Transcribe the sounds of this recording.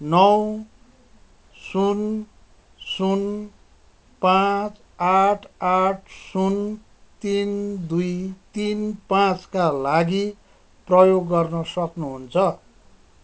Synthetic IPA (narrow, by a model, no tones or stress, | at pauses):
nʌw | sun | sun | pãt͡s | aʈʰaʈʰsun | t̪ind̪ujt̪inpãt͡skalaɡi | prʌjoɡːʌrnʌsʌknuɦunt͡sʰʌ